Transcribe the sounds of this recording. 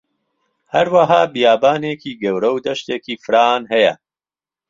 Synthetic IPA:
hɐɾwɐɦaːbijaːbaːneːkiːɡɐwɾɐwd̪ɐʃt̪eːkiːfɨɾaːnɦɐjɐ

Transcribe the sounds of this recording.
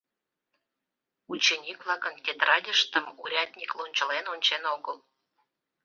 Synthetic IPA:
ut͡ɕenʲikvlˠɑkənt̪ʲet̪rɑdʲəʃt̪əmuɾʲɑt̪ʲnʲiklonʲt͡ɕə̆lenonʲt͡ɕenoɣəlˠ

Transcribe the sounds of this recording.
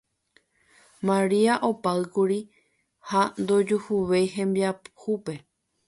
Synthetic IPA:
mãɾiaʔo̞paɨkuɾi | hand̪o̞d͡ʒuhuʋe̞jɦẽ̞mbiaphupe̞

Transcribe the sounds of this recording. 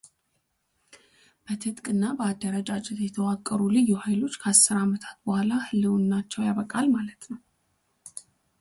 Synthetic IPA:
b̥ət̪ʰɨt̪ʼkʼɨnːabəad̪ːəɾəd͡ʒʼat͡ʃʼɛt̪jɛt̪ʰəwakʼːəɾulɨjːuhajlo̞t͡ʃːkʰəasːɨɾamət̪ʰḁt̪bəhʷalahɨlːɨwnːat͡ʃːɛwjaβəkʼalmalət̪nəw

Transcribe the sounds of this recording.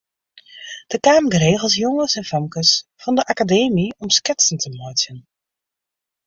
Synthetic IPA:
d̥əkaːməɡreːɣəlˠs̬jɔŋəsɛnfœmkəsfɑndəʔakadeːmiɔmskɪtsəntʰəmɔjtən

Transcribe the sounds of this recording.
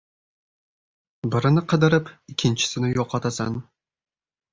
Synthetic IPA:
bɪɾɪnɪqʰɨd̪ɪɾɪpɪkʲʰːɪnt͡ʃɪ̥sɪnɪjoqʰɑt̪asɑ̰n

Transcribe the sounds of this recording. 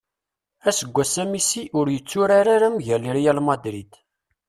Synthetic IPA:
æsəɡʷːæsæmisiʔʊɾjət͡sːʊɾaɾaɾamʝəliɾjælmɑd̪ɾid̪

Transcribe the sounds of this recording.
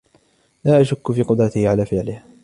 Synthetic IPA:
laːʔaʃʊkːʊfiːqʊd̪ˤɾɑt̪ɪhʕalaːfɪʕlɪh

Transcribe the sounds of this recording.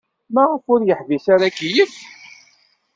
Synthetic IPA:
mæʁəfʊɾjəħvisaɾakijəv

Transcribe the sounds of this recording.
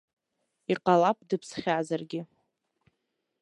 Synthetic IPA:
iqʼalap̚ʰʼdɨpʰsχʲaːzarɡʲɪ

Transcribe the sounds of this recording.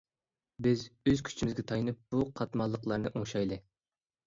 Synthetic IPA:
bɪzøz̥kʲʰy̥t͡ʃʰimɪzɡʲɛt̪ʰɑjnɨp̚b̥uqʰɑt̪mɑlˠːəqlˠɑɾnɨʔoŋʃɑjlˠɨ

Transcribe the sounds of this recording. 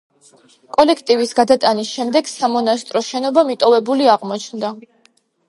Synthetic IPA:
kʼɔlɛkʰt̪ʼivisɡad̪at̪ʼanisʃɛmd̪ɛɡsamɔnast̪ʼɾɔʃɛnɔbamit̪ʼɔvɛbuliaʁmɔt͡ʃʰnd̪a

